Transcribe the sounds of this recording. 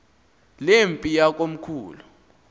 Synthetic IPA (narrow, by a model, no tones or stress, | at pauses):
lempʼijak̬ʼom̩kʰuːlu